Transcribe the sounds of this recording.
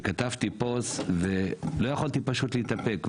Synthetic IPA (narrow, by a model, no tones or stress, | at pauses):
kat̪avt̪iposvelo̞jaχalt̪ipaʃutliit̪ape̞k